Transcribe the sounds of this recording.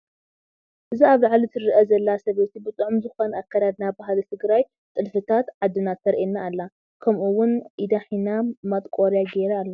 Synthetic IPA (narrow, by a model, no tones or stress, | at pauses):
ʔɨziaβlaʕlit̪ʰɨrɨʔɐzɐlːasɐβet̪ibɨt̪ʼɨʕumzɨxo̞nakːad̪ad̪nabaɦlit̪ʰɨɡɾaj | t̪ʼɨlfɨt̪ʰat̪ʕad̪ːɨnat̪ːɐɾʔenːaːlːa | kʰɐmʔuwːʊnʔid̪aħinamat̪ʼkʼoɾjaɡeɾɐːlːa